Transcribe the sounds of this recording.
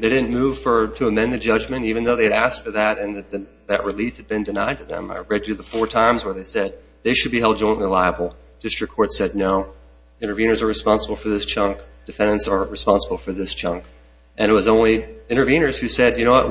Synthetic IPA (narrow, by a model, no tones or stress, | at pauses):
ðeɪɾɪdⁿn̩muv̥fə˞ɾɨːmɛ̃nðɨd͡ʒʌd͡ʒmɨ̃ntivɨ̃nðoʊðeɪɨɾæstfə˞ðæɾɨ̃nðɨ | ðɨʔ̚ɹɨlifhɨd̚bɨ̃ndɨna̰ɪd̚tʰɨðɨ̰̃ma̰ɪɹɛdɨɨðəfɔɹtʰãɪ̃mzwə˞ðeɪsɛd̪̚ | ðeɪʃɨd̚biɦɛlˠd̚d͡ʒɔ̃ɪ̃nʔlilaɪəbl̩ˠ | d̥ɪstɹ̥ɨkʰːɔɹtsɛdⁿnoʊ | ɪ̃ɾə˞vĩnə˞zə˞ɹɨspɑ̃nsəbl̩ˠfə˞ðɪst͡ʃʰʌ̃ŋkd̥ɨfɛ̃ndɨ̃ntsə˞ɹɨspɑ̃nsəbl̩ˠfə˞ðɪst͡ʃʰʌ̃ŋk | ʔɨ̃ñɨt̚wʌzõʊ̃nliɪ̃ɾ̃ə˞vĩñə˞z̥hʉsɛdjɨñoʊwʌt̚